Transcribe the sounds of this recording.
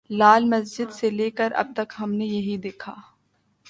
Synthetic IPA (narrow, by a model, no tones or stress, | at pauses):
laːlmɐsd͡ʒɪd̪seleːkəɾʔɐ̰b̚t̪ɐkɦɐmnejɐɦid̪eːkʰaː